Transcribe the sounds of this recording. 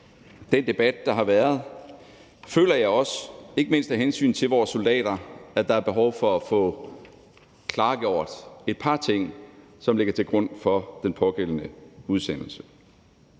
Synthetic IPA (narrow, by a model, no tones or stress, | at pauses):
d̥end̥e̝b̥æd̥̚ːɑ̈ɦɑ̈ʋæːɐð̞̩ˠ | fø̰ːlɐjɑ̈ɪɒ̽se̝ɡ̥əme̝n̰sd̥hæɦensy̰ːnt͡sʰe̝lʋɒːsːold̥ɛ̰ːɾ̥ɐæd̥ɑ̈æɐb̥e̝ɦɒʊfɒ̽æfɔ̰̽ː | kʰlɑ̈ːɡ̥ɒ̰ʊ̰ɐd̥e̝d̥̚pʰɑ̈t͡sʰe̝ŋ̰ | sɒ̽mle̝ɡ̥ɐt͡sʰe̝lɡ̥ʁɔ̽n̰fɒ̽d̥enpʰɒ̽ɡ̥el̰ənəuðˠsen̰l̩sə̥